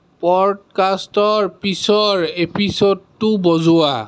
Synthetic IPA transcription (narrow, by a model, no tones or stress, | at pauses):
pɔdkastɔɹpisɔɹepʰisodtʊbɔzʊwa